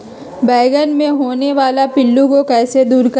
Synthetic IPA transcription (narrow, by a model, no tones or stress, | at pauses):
bɛːɡənmẽɦoːneʋaːlapɪlːũkokɛːsed̪uːɾkɐ